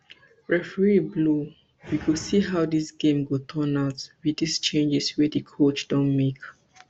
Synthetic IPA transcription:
ɹɛfəɹiblu | wiɡusiɦawdisɡ̥ẽmɡotʰɔ̃naʊtwidist͡ʃẽnd͡ʒɛswɛdikʰot͡ʃd̥ɔ̃nmek

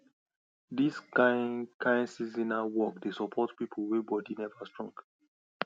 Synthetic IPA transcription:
diskankʰãɪ̃nsizĩnawɔkdesɔpʰɔtpipʰəwebɔdinɛvastɹɔ̃ŋk

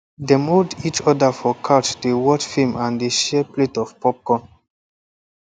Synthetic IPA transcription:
demodit͡ʃɔdafɔkʰatdewɔtfimãndeʃɛpletɔfpɔp̚kɔ̃n

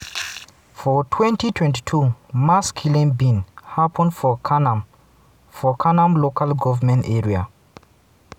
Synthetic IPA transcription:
fɔtʰwɛ̃ntitʰwɛ̃nti̥tʰumaskʰjulĩnbĩnhapʰə̃ndfɔkʰanam | fɔkʰanãmlokalɡɔvəmɛ̃ntɛɹia̰

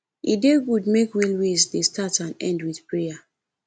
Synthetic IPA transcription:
ideɡud̚mekwilwesdestʰatãnɛ̰̃ndwiθpɹeja

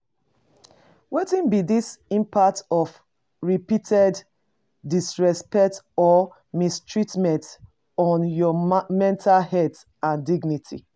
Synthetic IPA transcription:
wetĩnbidisĩmpʰak̚tɔf | ɹipitʰɛdː | isɹɛspɛk̚t | ɔ | mistʰɹitmɛ̃nt | ɔ̃njɔmɛ̃ntʰalhɛt | ãndiɡnitʰḭ

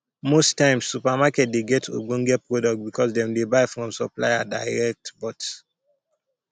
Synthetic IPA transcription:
mostãɪ̃msːupamakɛt̚deɡɛtʰo̰ɡɔ̃ŋɡɛpɹɔdɔk̚t̚bikɔsdɛ̃mdebaɪfɹɔ̃msɔpla̰jada̰ɪɹɛk̚tbɔt

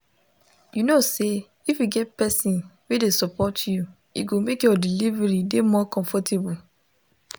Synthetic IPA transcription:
junose | ifjuɡɛt̚pɛsĩnwedesɔpɔtʰju | ḭɡomekjɔdilivɛɹidemɔkɔ̃ɱfɔtʰebu

